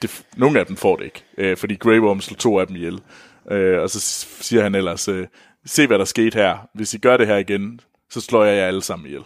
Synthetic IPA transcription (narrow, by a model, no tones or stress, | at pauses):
d̥e̝no̝ːæd̥emfɒ̰ːd̥e̝e̝ɡ̥øfɒ̽d̥ḭːɡ̥ʁeɪb̥ɒmslt͡sʰo̝̰ːæd̥em̩ijel | ʔøɒ̽sɒ̽siːɐhænel̰ɐsø | se̝̰ːʋæɾɑ̈ɐsɡ̥e̝̰ːd̥hæɐ̰ʋe̝sd̥iɡ̥ɶɐɾ̥e̝ɦæɐiɡ̥en | sɒ̽slɒ̰ːjɑ̈ɪjɑ̈ɪæləsɑ̈m̰n̩ijel